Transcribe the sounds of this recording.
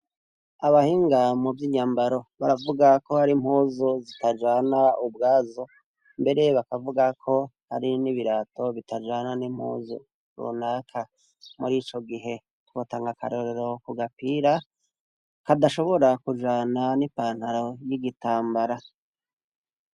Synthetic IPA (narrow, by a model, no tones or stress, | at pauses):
aβahiːŋɡamovjiɲaːmbaɾo̞βaɾavuɡako̞haɾim̥hoːzozitad͡ʒaːnaub̚ɡaːzo | mbe̞ɾe̞βakavuɡakʰo̞ | haɾiniβiɾaːto̞βitad͡ʒaːnanim̥hṵːzṵ | ɾṵnakʰa | muɾiːt͡ʃo̞ɡiɦe̞ | twotaːŋɡaka̰ɾoɾe̞ɾo̞kuɡapiːɾa | kadaʃo̞βo̞ɾakuʒaːnanipaːn̥haɾojiɡitaːmbaɾa